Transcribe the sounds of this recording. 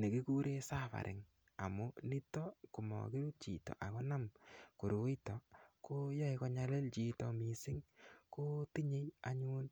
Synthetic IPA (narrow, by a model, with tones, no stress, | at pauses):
ne˨ki˦ku˦ɾe˦sa˦fa̰˨ɾʔɪ̰˨ŋ | a̰˨mu˦ni˦tɔ˦ku˨mɔ̰˨ki˦ɾu˦t͡ʃḭ˨tɔ̰˨ʔa˨kɔ˦na˦mko˨ɾu˨˦jtɔ˨ko˦jɔ˦ikɔ˦ɲa˦le˦lt͡ʃi˨tɔ˨mi˨sɪ˦ŋko˦ti˦ɲe˦ja˨ɲu˦n